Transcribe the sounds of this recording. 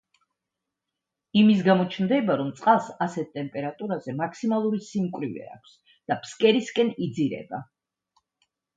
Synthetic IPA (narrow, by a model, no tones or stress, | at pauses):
imis̬ɡamɔt͡ʃʰnd̪ɛbaɾɔmt̪sʼqʼalˠsasɛt̪̚ʰt̪ʼɛmpʼɛɾat̪ʼuɾazɛmakʰsimalˠuɾisimkʼwɾivɛ̰a̰kʷʰs | d̪̥apskʼɛɾiskʼɛnid̪ziɾɛ̰ba̰